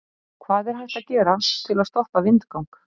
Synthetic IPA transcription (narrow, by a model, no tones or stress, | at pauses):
kʰvaːðɛɾ̥ɦajht̪aðcɛːɾat̪ʰɪlaðst̪ɔhpavɪnt̪kawŋk